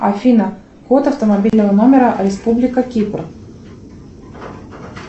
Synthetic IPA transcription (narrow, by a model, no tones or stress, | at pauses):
ɐfʲinə | xot̪ɐft̪əmabʲilʲnəvəno̞mʲɪɾəɾʲɪspublʲɪkəkʲipr